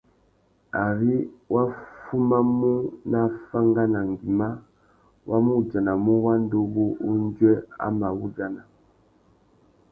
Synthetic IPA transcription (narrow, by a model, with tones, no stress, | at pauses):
a˨ɾi˦wʔa˦fu˦ma˦mu˦na˦fa˦ŋɡa˦na˨ŋ˨ɡi˨ma˦ | wʔa˦mu˦˨d͡ʒa˨na˨mu˦wa˦n˦do˦βo˦ʔu˦nd͡ʒɛ˦a̰˦ma˨βu˦d͡ʒa˨na˨